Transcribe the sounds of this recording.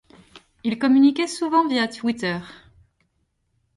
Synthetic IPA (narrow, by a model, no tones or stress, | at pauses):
ilkɔmynikʲɛsuvɑ̃vjat̪wit̪œʁ